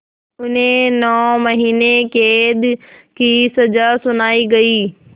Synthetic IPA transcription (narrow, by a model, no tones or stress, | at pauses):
ʊnenɔːmɐɦiːnekeːd̪kisɐzasʊnaːiɡɐiː